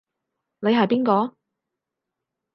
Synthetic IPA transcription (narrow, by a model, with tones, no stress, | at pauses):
ne˨˧jɦɐ˨jpiː˥nkɔː˧